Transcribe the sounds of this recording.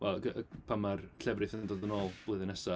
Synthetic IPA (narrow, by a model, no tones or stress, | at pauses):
wɛlˠɡəəpʰamarkʰɬʰɛvrɨθəndɔðənoːlˠb̥lˠɨðɨnɛsa